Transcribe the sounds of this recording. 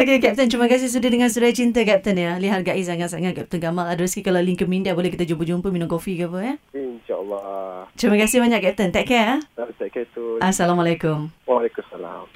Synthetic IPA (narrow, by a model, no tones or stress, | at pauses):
okekɛp̚t̪ənt̪ɾiməkas̬ɪs̬udədəŋãnsuɾaat͡ʃint̪əkɛp̚t̪ənjəliɦarɡaʔɪs̬aŋat̪̚saŋaʔ̚kɛp̚t̪ənkamaladəɾaskikalaliŋkəmindabolɛhkit̪ad͡ʒubud͡ʒumpəminʊ̃mkofikapəjəinʃalːɔt̪ɾiməkasɪbaɲãʔkɛp̚t̪ənt̪ɛʔkɛat̪ɛʔkɛt̪uʔasalamalakʊmwalɛkumsala̰m